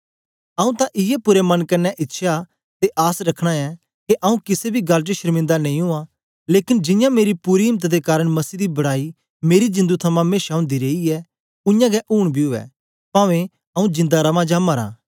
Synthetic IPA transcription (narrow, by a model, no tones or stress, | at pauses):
ɐũt̪ãʔɪjɛpʊɾemɐnkɐɾnːɛʔɪtːʃʰa | t̪eʔaːsɾɐkʰɽ̃aɛ | keʔɐũkɪsebʱiɡɐlʈ̬eʃɐɾmɪ̃nd̪anẽːĩɦʊã | leːkɪnd͡ʒɪ̃jãmeːɾipuɾiɦɪmət̪d̪ekaːɾəɽ̃mɐsiːd̪ibɐɽaːi | meːɾid͡ʒɪ̃nd̪ut̪ʰɐmãmeːʃaʊ̃nd̪iɾeːiɛ | ʊ̃jãɡɛʔuːɽ̃bʱiɦʊɛ̰ | pãːʋẽ | ɐũd͡ʒɪ̃nd̪aɾɐʋãd͡ʒamɐɾã̰ː